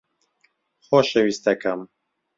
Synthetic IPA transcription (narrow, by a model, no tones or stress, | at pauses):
xoʃewist̪ɐkʰɐm